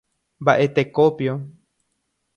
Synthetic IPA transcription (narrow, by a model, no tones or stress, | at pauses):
mbaʔe̞t̪ekopjo